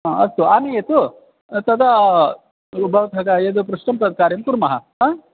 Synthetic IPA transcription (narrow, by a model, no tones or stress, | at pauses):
ɦãɐ̰st̪uaːmijet̪u | t̪ɐd̪ʱa | ubʱɐʋɐt̪ɦɐkaed̪upɾuʂʈɐmpɾɐd̪̚ʱkaːɾjɐmkuɾmɐɦɐɦaː